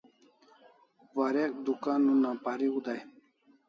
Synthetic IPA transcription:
waɾek̚d̪ukanːunːãpaɾiud̪aj

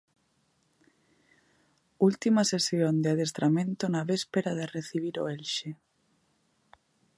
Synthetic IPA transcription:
ult̪imasesjond̪eaðest̪ɾamẽnt̪onaβespeɾaðereθiβ̞iɾo̰elʃe

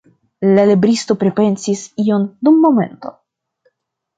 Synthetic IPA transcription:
lalibɾisto̞pɾe̞pe̞nsisio̞ndumːo̞me̞̰nto̞̰

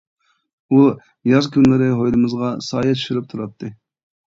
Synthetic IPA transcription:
u | jɑzkʲynlɪɾɪɦojlˠɨmɨzʁɑsɑːjɛt̪ʰi̥ʃiɾɨp̚t̪ʰuɾɑt̪ʰːɨ

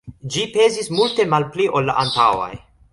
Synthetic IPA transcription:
d͡ʒipe̞zismulte̞malpliʔo̞lːaʔantawa̰j

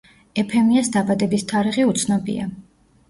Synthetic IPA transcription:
ɛpʰɛmiasd̪abad̪ɛbist̪ʰaɾiʁiut̪sʰnɔbḭa̰

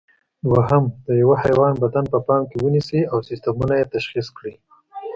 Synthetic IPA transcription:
waɦamd̪̥əjawahajwɑnbad̪anpəpɑmkewənisiawsɪst̪amunajet̪aʃxiskɽi

